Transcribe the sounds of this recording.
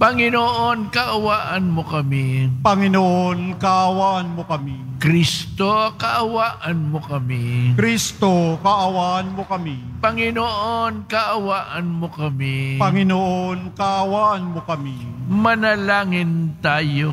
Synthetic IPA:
pɐŋɪnoʔonkɐʔɐwaːʔɐnmokɐmipɐŋɪnoʔonkɐʔɐwaʔɐnmokɐmi | kɾist̪okɐʔɐwaːʔɐnmokɐmikɾist̪okɐʔɐwaʔɐnmokɐmipɐŋɪnoʔonkɐʔɐwaːʔɐnmokɐmipɐŋɪnoʔonkɐʔɐwaʔɐnmokɐmimɐnɐlaːŋɪnt̪aːjo

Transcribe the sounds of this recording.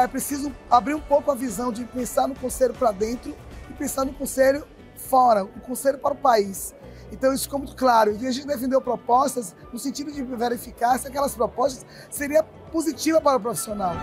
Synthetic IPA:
ɛpɾesizʊũabɾiɾũpowkʊɐvizɐ̃w̃d͡ʒɪpẽsaɾnʊkõseʎʊpɾad̪ẽnt̪ɾʊɪpẽsaɾnʊkõseʎʊ | fɔɾɐũkõseʎʊpaɾʊpais | ẽnt̪ɐ̃w̃isʊfikomũj̃t̪ʊ̥klaɾʊẽviɐʒẽt͡ʃɪd̪ef̬ẽnd̪ewpɾopɔst̪ɐs | nʊsẽnt͡ʃid̪ʊd͡ʒɪveɾifikaɾsɪakɛlɐspɾopɔst̪ɐ̥s | seɾiɐ | pozit͡ʃivɐpaɾʊpɾofi̥sionaw

